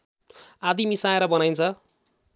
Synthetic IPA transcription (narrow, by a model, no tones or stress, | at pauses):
ad̪imisaeɾʌbʌnajnt͡sʰʌ